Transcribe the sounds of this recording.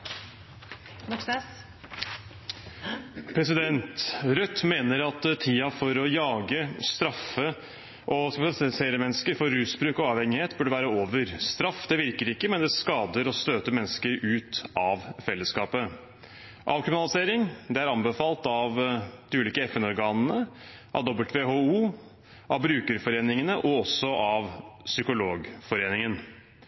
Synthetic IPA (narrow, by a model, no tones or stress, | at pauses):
pʰɾɛsɪd̪ɛnt̪ɾœt̪ːmeːnəɾɑt̪t̪ʰiːɑfɔɾɔjɑːɡəst̪ɾɑfə | ʔɔsbɪnɑlɪseːɾəmɛnːəskəɾfɔɾʉːsbɾʉːkɔɑːʋhɛŋɪheːt̪bʉɖəʋæːɾəoːʋəɾst̪ɾɑfːd̪ɛʋɪɾkəɾɪkːəmɛnd̪ɛskɑːd̪əɾɔst̪øːt̪əmɛnːəskəɾʉːt̪ɑʋfɛlːəskɑːpə | ʔɑ̰ʋkɾɪmɪnɑlɪseːɾɪŋd̪ɛæɾɑmbəfɑːlt̪ɑʋd̪ɪʉːliːkəɛfɛnɔɾɡɑːnənə | ʔɑ̰ʋd̪ɔbəlt̪ʋeːɦouː | ʔɑʋbɾʉːkəɾfɔɾeːnɪŋənəʔɔɔsːɔʔɑʋsʏkʊloːɡfɔɾeːnɪŋən